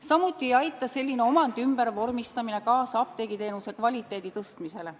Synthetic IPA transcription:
sɑmut̪ːˑiejɑjt̪ːˑɑse̞lʲːine̞o̞mɑnd̪̥ymb̥ervo̞rmist̪ɑmine̞kɑːsɑɑp̚t̪eɡ̥it̪e̞ːnuse̞kvɑlʲit̪ˑːe̞ːd̪̥it̪ɤst̪mise̞le̞

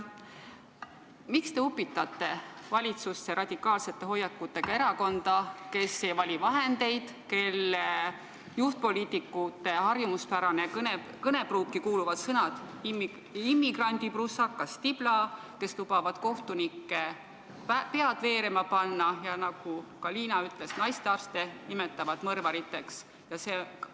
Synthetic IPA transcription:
mikst̪e̞upːˑit̪ːˑɑt̪ːˑe̞vɑlʲit̪sust̪ːeɾɑd̪ʲikːˑɑːlse̞t̪ːˑe̞ɦo̞jːɑkːˑut̪ːˑe̞ɡ̥ɑe̞ɾɑko̞nd̪̥ɑke̞sːejvɑlʲivɑɦe̞nd̪e̞jd̪̥ke̞lːe | juht̪̚po̞lʲiːt̪ːˑikːˑut̪ːˑe̞ɦɑrjumuspæɾɑnekne | kɤne̞bruːk̚kikuːluvɑd̪̥sɤnɑd̪̥m | imːiɡrɑnʲd̪iprusːɑkːɑst̪ib̥lɑke̞slub̥ɑvɑd̪̥ko̞ht̪unikːˑe̞ | pe̞ɑd̪̥ve̞ːɾemɑpɑnːɑjɑnɑɡ̥ukɑliːnɑyt̪ːˑle̞snɑjst̪eɑrst̪e̞nimet̪ːˑɑvɑd̪mɤrvɑɾit̪ːˑe̞ks | jɑseː

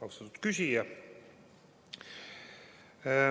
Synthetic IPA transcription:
ɑwust̪ɑt̪ut̪kysʲijɑ

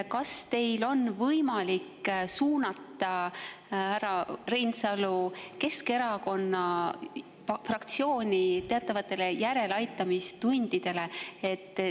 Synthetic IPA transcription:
kɑst̪e̞jlo̞nvɤjmɑliksuːnɑt̪ːˑɑ | hæɾɑrejnsɑluke̞ske̞ɾɑko̞nːɑ | frɑkt̪sio̞ːnʲit̪e̞ɑt̪ːˑɑvɑt̪ːˑe̞le̞jæɾe̞lɑjt̪ːˑɑmist̪unʲd̪̥id̪̥e̞le̞et̪ˑː

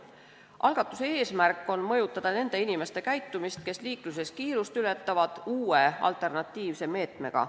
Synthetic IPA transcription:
ʔɑ̰lɡ̥ɑt̪ːˑu̥se̞e̞ːsmærkˑːo̞nmɤ̞jut̪ːˑɑd̪̥ɑne̞nd̪̥e̞inime̞st̪e̞kæjt̪ːumist̪̚ke̞sliːklus̬e̞skiːɾust̪yle̞t̪ˑːɑvɑd̪̥uːeɑ̰lt̪ːˑe̞rnɑt̪ːiːvse̞me̞ːt̪me̞̰ɡ̥ɑ̰

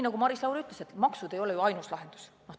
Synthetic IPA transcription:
inɑɡumɑɾislɑwɾiyt̪ːˑlese̞t̪mɑksud̪̥e̞jo̞le̞joɑjnuslɑɦe̞nd̪̥u̥s | no

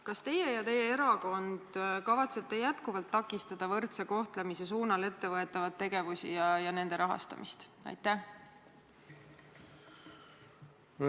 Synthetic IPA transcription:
kɑst̪e̞je̞jɑt̪e̞jːee̞ɾɑko̞nd̪̥kɑvɑt̪se̞t̪ːe̞jæt̪kuvɑlt̪ːɑkːˑist̪ɑd̪̥ɑvɤrt̪seko̞ht̪le̞mise̞s̬uːnɑle̞t̪ːe̞vɤe̞t̪ːˑɑvɑt̪ːe̞ɡ̥e̞vusḭjɑjɑne̞nd̪e̞ɾɑɦɑ̰st̪ɑ̰mʔist̪ɑ̰jt̪ːˑæh

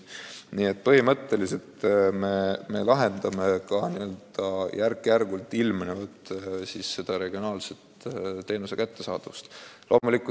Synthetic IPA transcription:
niːe̞t̪̚ːpɤɦimɤt̪ːe̞lise̞lt̪meme̞lɑɦe̞nd̪ɑme̞kɑniø̞ld̪̥ɑjʔærkːˑjærɡ̥ult̪ːˑilmnevɤt̪ːˑsisːe̞d̪̥ɑɾe̞ɡ̥io̞nɑːlset̪t̪ːe̞ːnuse̞kæt̪ːe̞sɑ̰ːd̪̥ust̪lʔo̞ːmulikːˑu

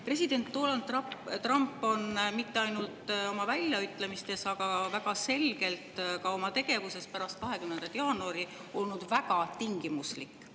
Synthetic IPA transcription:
pre̞sid̪̥e̞nt̪ːo̞ːlɑnd̪t̪rɑmpːˑo̞nmit̪ːe̞ɑjnult̪o̞mɑvælʲːjɑyt̪ːˑle̞mist̪e̞sɑɡ̥ɑvæɡ̥ɑse̞lɡ̥e̞lt̪kɑo̞mɑt̪e̞ɡ̥e̞vuse̞spæɾɑst̪̚kɑɦe̞kymne̞nd̪ɑt̪jɑːnuɑɾio̞lnud̪̥væɡ̥ɑt̪iŋɡimuslikːˑ

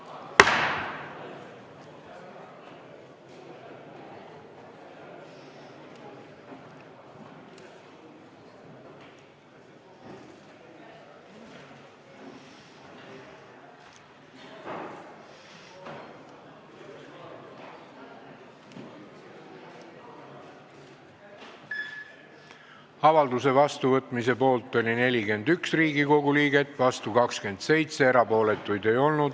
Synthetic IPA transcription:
ɑvɑld̪use̞vɑst̪uvɤt̪ˑmis̬e̞po̞ːlt̪ˑːo̞lʲine̞lʲike̞nd̪yksriːɡiko̞ɡ̥uliːɡ̥e̞t̪ːˑvɑst̪ukɑkske̞nd̪̥se̞jt̪se̞eɾɑpo̞ːle̞t̪ːˑujd̪e̞jo̞lnud̪̥

